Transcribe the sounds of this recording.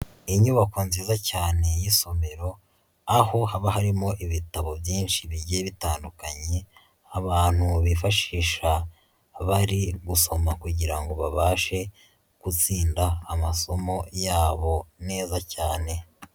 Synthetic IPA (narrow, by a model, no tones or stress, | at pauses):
iɲuβako̞nziːzacaːne̞jiso̞meɾo̞ | aho̞haβaɦaɾimo̞ʔiβitaβo̞bjiːnʃiβiɟeβitaːndukaɲe̞ | aβaːn̥huβifaʃiːʃa | βaɾiɡuso̞makuɟiɾaŋɡo̞βaβaːʃe̞ | kut͡siːndaːmaso̞mo̞jaːβo̞ne̞ːzacaːne̞